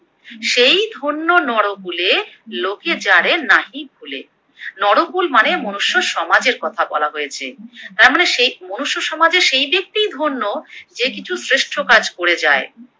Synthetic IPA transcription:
ʃejd̪ʱonːonɔɽopuleloked͡ʑaɽenaɦibʱulḛ | nɔɽopulmanemonuʃːoʃɔmad͡ʑeɾkɔt̪ʰabɔ̰laɦojet͡ɕʰḛt̪aɾmoneʃejmonuʃːoʃɔmad͡ʑeʃejbek̚t̪ijd̪ʱonːod͡ʑekit͡ɕʰusɾeʃʈʰokad͡ʑkoɽed͡ʑae

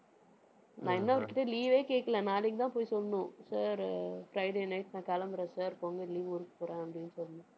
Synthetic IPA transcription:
nãːɛnːɐɔɾɪkːɪʈːeliːʋeːkeːkːɐlɛ̃naːlɪkːɯt̪ãːpoːjisɔlːɐnʊ̃saːɾfɾɐɪɖeːnɐɪʈnãːkɐlɐmbɐɾẽːsaːɾpoːŋɡɐliːʋʊɾɯkːɐ̥poːɾẽːɐpːɽɪnːɯsɔlːɐnã

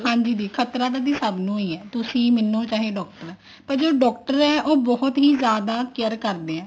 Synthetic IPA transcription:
hãːɲd͡ʒiːd̪iːkʰət̪ɾaːd̪ad̪iːsəbnũːiːɛːt̪ʊsĩːmɪnːõːt͡ʃaːɦeːɖɔːk̚ʈəɾɛː | pəɾd͡ʒoːɖɔːk̚ʈəɾɛːʔoːbɔɦʊt̪ɦiːzjaːd̪aːkɪəɾkəɾd̪eːɛ̃ː

